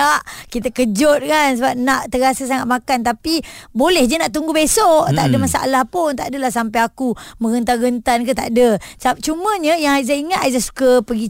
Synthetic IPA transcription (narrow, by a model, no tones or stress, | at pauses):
aʔkit̪akəd͡ʒɔt̪̚kans̬əbap̚naʔt̪əɡasasaŋat̪̚makant̪apibolɛhd͡ʒənaʔt̪uŋɡubesɔʔt̪aʔdəmasaa̰lahpʊnt̪aʔdəlahsampajakumə̃ɡənt̪aɡənt̪ankət̪a̰ʔdəsap̚t͡ʃumə̃ɲəjaŋaizaiŋat̪ajzahsu̥kəpəɡi